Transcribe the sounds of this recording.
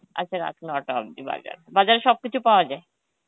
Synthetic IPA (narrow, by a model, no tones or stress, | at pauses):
ʔa̰tːɕʰaɾa̰kʰnɔʈaɔ̰bd̪iba̰d͡ʑa̰ɾbad͡ʑaɾeʃɔb̚kit͡ɕʰupaoad͡ʑae